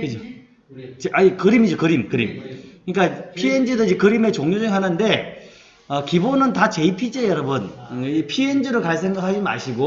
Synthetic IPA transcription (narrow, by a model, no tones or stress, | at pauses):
kɯd͡ʑo | t͡ɕeʔaikɯɾimid͡ʑokɯɾimkɯɾimkɯɲik͈apʰiend͡ʑedɯd͡ʑikɯɾime̞t͡ɕoŋɲod͡ʑeŋɦanɯnde̞ | ʌkibonɯntat͡ɕe̞ipʰid͡ʑejʌɾʌbɯnpʰiend͡ʑiɾoɭkaɭs̬͈ʰeŋɡɯɦad͡ʑima̰ɕʰiɡo